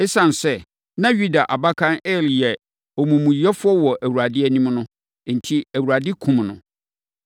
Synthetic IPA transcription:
ɛ˦sã˨n˨sɛ˦ | nã˦ɥu˦da˨ʔa˨ba˦kʰã˦nɛ˦˨li˨ɛ˨ | o˨mũ˨mũ˨ji˨˦ɛ˦fʊ˦ɔ˦wɔ˨ʔæ˨wu˨ɾa˨dɪ˦æ˦nĩ˦mnʊ̃˦ | n̩˨tʰi˦æ˨wu˨ɾa˨dɪ˦kʰũ˨mnʊ̰̃˨

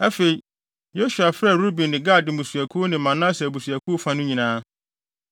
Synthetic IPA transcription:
æ˦fe˨i˨ | jo˦su˨a˨fɛ˦˨ɾu˦bĩ˨nːɪ̃˨ɡa˦˨dɪ̃˨mũ˨su˨æ˨kʰu˦o˦nɪ̃˨mːã˨nã˦sɛ˨bu˨su˨æ˨kʰu˦o˦fã˦nʊ̃˦ɲĩ˨nãː˦

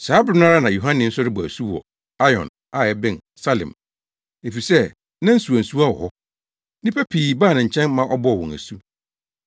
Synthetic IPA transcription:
saː˨˦bɾɪ˦nã˦ɾa˦nã˨jo˨ɦã˦nɪ̃˨˦n̩˦sʊ˦ɾɪ˦bsu˦ɔ̰˨ | a˦jɔ̰̃˨n | a˦˨ɛ˦bɪ̃˦˨n | sa˦lɪ̰̃˨m | e˨fi˨sɛ˦ | nã˦n̩˦su˨a˨n̩˨su˦a˦wɔ̰˨hɔ˦ | nĩ˦pʰæ˦pʰiː˨baː˦˨nɪ̃˨ɲ̩˨t͡ɕʰɛ̃˦nmã˦ʔɔ˦bɔ˦ɔ˨wɔ̰̃˨næ̰˨su˦

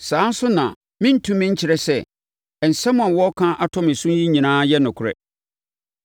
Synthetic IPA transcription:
sãː˨˦n̩˦sʊ˦nã̰˨ | mɪ̃˦n̩˦tʰũ˦mːɪ̃˦ɲ̩˦t͡ɕʰɪ˨ɾɛ˦sɛ˦ | ɛ˨n̩˨sɛ˦mʊ̃˦˨ã˨wɔ˦kʰã˦ʔa˨tʰɔ̃˦mɪ̃˨sũ˦ji˦ɲĩ˨nãː˦jɛ˦nʊ̃˨kʰʊ˨ɾɛ̰˨

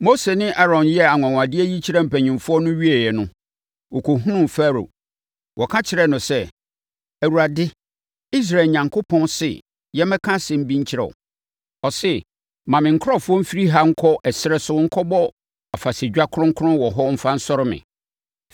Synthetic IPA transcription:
mo˦se˨nɪ̃˦ʔa˦ɾɔ̃˨njɛ˦a˨ŋʷ˨ã˨ŋ̃˨a˨dɪ˦ɛ˦ji˦t͡ɕʰɪ˦ɾɛ˦m̩˨pʰæ˨ɲɪ̃˨mfʊ˦ɔ˦nʊ̃˦ɥi˦ɛ˨jɛ˨nʊ̃˦ | wɔ˨kʰo˨ɦũ˦nʊ̃˦m˨fa˦ɾo̰˨ | wʔɔ˨kʰã˦t͡ɕʰɪ˨˦ɾɛ˦nʊ̃˨sɛ˦˨ | æ˨wu˨ɾa˨dɪ˦ | i˦s̬ɾa˨ɲã˨ŋkʰo˦pʰɔ̃˦nsɪ̰˨ | jɛ˦mɛ̃˦kʰã˦sɪ̃˨m̩˦bĩ˦ɲ̩˦t͡ɕʰɪ˦ɾɛ̰˨ | ɔ˨sɪ˦ | mã˨mɪ̃˨ŋ̩˨kʰʊ˦ɔ˦fʊ˦ɔ˦m̩˦fi˦ɾi˦ɦa˦ŋ̩˦kʰɔ˦ʔɛ˨sɪ˦ɾɛ˦sʊ˦ŋ̩˦kʰɔ˦bɔ˦ | a˨fa˨se˨d͡ʑᶣa˦kʰʊ˦ɾʊ̃˦ŋ̩˦kʰʊ˦ʊ̃˦wɔ˨ɦɔ˦m̩˦fa˦n̩˦sɔ˦ɾɪ˦mɪ̰̃˨

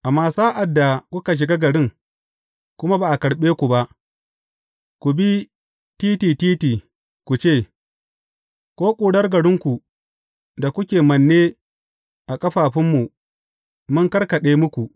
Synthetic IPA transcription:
ʔa˨maː˦saː˦ʔa˨dːa˨kʷʊ˦ka˨ʃ̬ɪ˨ɡa˦ɡɐ˨ɽɪ˦ŋ | kʷʊ˦ma˦baː˨ʔa˨kɐ˨ɽɓeː˦kʷu˨ba˦ʔ | kʷu˨bi˦ | tiː˦tiː˨tiː˦tiː˨ | kʷu˨t͡ʃeː˦˨ | kʷoː˦kʷʼuː˨ɽɐ˦rɡɐ˨ɽɪ˦ŋkʷu˨ | da˨kʷʊ˦kʲeː˨mɐ˨nːe˦ | ʔa˨kʼɐ˦ɸaː˨ɸɪ˦mːu˨ | mʊ˦ŋkɐ˦ɽkɐ˨ɗeː˦mʊ˦kʷu˨ʔ

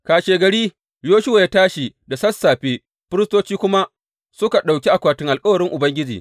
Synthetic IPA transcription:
kaː˨ʃeː˨ɡɐ˨ɽiː˦ | joː˦ʃʊ˦wa˨ja˦taː˦ʃi˨da˨sɐ˦sːaː˨ɸeː˦ | ɸɪ˦ɾɪ˦stoː˦t͡ʃiː˦kʷʊ˦ma˦ʔ | sʊ˦ka˨ɗa˨wkʲi˦ʔa˨kʷaː˨tɪ˦ŋʔa˨lkʼɐ˦wɐ˨ɽɪ˦ŋʔʊ˨bɐ˦ŋɡʲɪ˦d͡ʒḭː˨

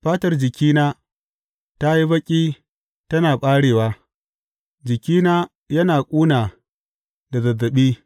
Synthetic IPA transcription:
ɸaː˦tɐ˦rd͡ʒɪ˨kʲiː˦naː˦ | ta˦ji˦bɐ˦kʲʼiː˦ | tɐ˦naː˨ɓʼaː˦ɽeː˨waː˦ | d͡ʒɪ˨kʲiː˦naː˦ | jɐ˦naː˨kʷʼuː˦naː˨ | da˨zɐ˨zːɐ˨ɓiː˦

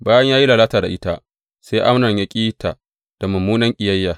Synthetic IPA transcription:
baː˦jɐ˦ɲjaː˦ji˦laː˨laː˦taː˨da˨ʔɪ˦ta˦ʔ | se˦ʔa˦mnɐ˨ɲja˦kʲʼiː˦ta˨ | d̥a˨mɐ˨mːuː˦nɐ˦ŋkʲʼɪ˨jɐ˦jːaː˨

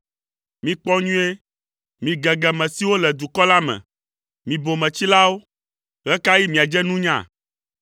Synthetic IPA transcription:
mĩ˨k͡pɔ˦ɲũ˦e˦ | mĩ˨ɡɛ˨ɡɛ˨mɛ̃˨si˦wo˦lɛ˨d̪u˨kɔ˦la˦mɛ̰̃˨ | mĩ˨bo˨mɛ̃˨t͡ɕi˦la˦wo˦ | ɣɛ˦ka˦ji˦mĩ˨a˨d͡ʒɛ˦nũ˦ɲã̰˦˨

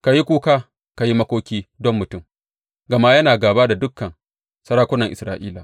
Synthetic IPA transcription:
ka˨ji˦kʷuː˦kaː˦ | ka˨ji˦mɐ˦kʷoː˦kʲiː˦dɔ˦mːʊ˨tʊ˦m | ɡɐ˨ma˦jɐ˦naː˨ɡaː˨baː˦da˨dʊ˦kːɐ˨ŋ | sɐ˦ɾaː˦kʷʊ˦nɐ˨ŋʔɪ˨sɾa̰ː˦ʔḭː˦la˨

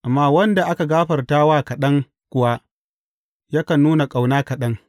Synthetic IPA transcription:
ʔa˨mːaː˦wɐ˦nda˨ʔa˦ka˨ɡaː˦ɸɐ˨rtaː˦waː˦kɐ˨ɗɐ˦ŋ | kʷʊ˨wa˦ | ja˦kɐ˨nːuː˦na˨kʼa˨wnaː˦kɐ˨ɗɐ˦ŋ

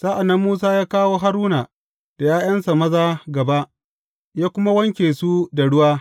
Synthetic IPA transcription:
saː˦ʔa˨nːɐ˦mːuː˦s̬aː˦jaː˦kaː˦woː˦ɦa˦ɾuː˦naː˨ | d̥a˨jaː˦j̰ɐ˦nsa˨mɐ˦zaː˦ɡɐ˨ba˦ʔ | jaː˦kʷʊ˦ma˦wɐ˦ŋkʲeː˨su˦da˨ɽʊ˦waː˦

